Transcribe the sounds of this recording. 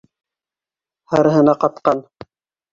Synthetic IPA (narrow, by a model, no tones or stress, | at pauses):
hɑɾɤɦɤ̆nɑqɑt̪̚qɑn